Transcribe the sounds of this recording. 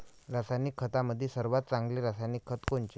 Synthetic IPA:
ɾasajnikʰːət̪aməd̪ʱːjesəɾʋat̪̚t͡sãŋɡliɾasajnikʰːət̪koɳt͡ɕe

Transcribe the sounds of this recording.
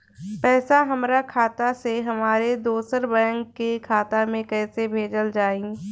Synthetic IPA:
pɛːsaɦɐmɾakʰaːt̪aseɦɐmaːɾed̪oːsəɾbəə̃ŋɡkːekʰaːt̪amẽkɛːsebʱeːd͡ʒəld͡ʒaːĩ

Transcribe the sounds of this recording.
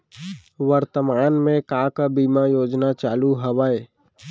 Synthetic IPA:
ʋəɾt̪əmaːnmẽkãkabiːmajoːd͡ʒnat͡ʃaːluɦəʋaːe

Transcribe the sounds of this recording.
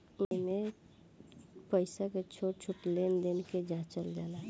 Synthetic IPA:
ome | pəɪsaket͡ʃʰoʈt͡ʃʰuʈlend̪enked͡ʒãt͡ʃəld̪ala

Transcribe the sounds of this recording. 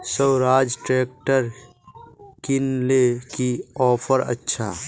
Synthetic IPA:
səwɾaːd͡ʒʈɾeːk̚ʈəɾ | kɪnlekiɔːpʰəɾə̰tːʃʰa̰ː

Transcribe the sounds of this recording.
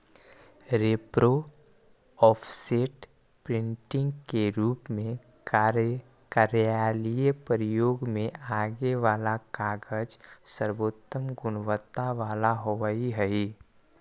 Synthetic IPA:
ɾeːpɾo | ɔːpʰseʈ | pɾɪ̃ɳʈɪ̃ŋɡkeɾuːpmẽ | kaɾjaːlijepəɾɪjoːɡmẽʔaːɡeʋaːlakaːɡəd͡ʒsəɾʋoːt̪ːəmɡʊnʋət̪ːaʋaːlaɦoʋəiɦəi

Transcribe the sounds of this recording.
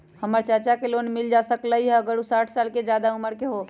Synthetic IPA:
həməɾt͡ʃət͡ʃakelonmild͡ʒasəkləjɛɡəɽusaʈʰsalked͡ʒad̪aɦuməɾkeɦo

